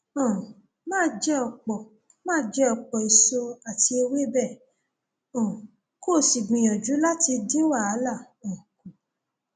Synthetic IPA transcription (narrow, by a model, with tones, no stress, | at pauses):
ɔ̃˨ | mãː˦˨d͡ʒɛ˦ɔ˧k͡pɔ˨ | mãː˦˨d͡ʒɛ˦ɔ˧k͡pɔ˨i˨so˧a˨ti˧e˧we˦bɛ˦˨ | ɔ̃˨ | ko˦˨si˨ɡ͡bĩ˧˨jɔ̃˨d͡ʒu˨˦la˦ti˧dĩ˦wa˦˨a˨˦la˦˨ | õ˨kũ˨